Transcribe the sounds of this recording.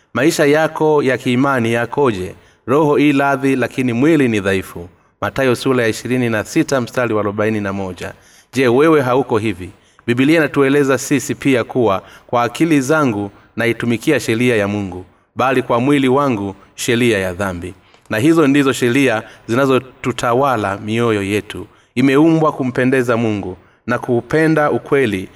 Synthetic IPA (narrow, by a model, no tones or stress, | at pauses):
maiʃajakɔjakiːmanijakɔʄɛ | ɾɔhɔilaðilakinimwiliniðaifu | matajɔsulajaiʃiɾininasitam̩staliwaːluɓaininamɔʄa̰ | ʄɛwɛwɛɦaukɔɦivi | biɓilianatuɛlɛzasisipiakuwakwaːkilizaŋɡu | naitumikiaʃɛɾiajamuŋɡu | ɓalikwamwiliwaŋɡu | ʃɛɾiajaðambi | naɦizɔndizɔʃɛɾiazinazɔtutʰawalamiɔjɔjɛtṵ | imɛumbwakum̩pɛndɛzamuŋɡu | nakuːpɛndaukwɛli